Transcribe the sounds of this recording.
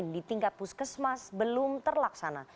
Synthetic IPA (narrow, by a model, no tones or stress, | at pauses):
ndit̪iŋkat̪̚puskəsmasbəlʊmt̪ərlaksana